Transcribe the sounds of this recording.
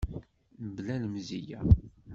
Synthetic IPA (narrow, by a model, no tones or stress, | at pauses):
əblælmzijæ